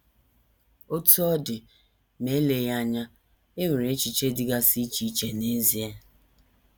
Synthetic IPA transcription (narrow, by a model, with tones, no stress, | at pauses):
o˦tu˦ɔ˦dɪ˨ | me˨˦le˨ja˦ɲa˦ | e˦me˨ɾe˨˦t͡ʃi˨t͡ʃe˦dɪ˦ɡa˦si˦t͡ʃi˨˦t͡ʃe˨ne˦zi˨˦e˦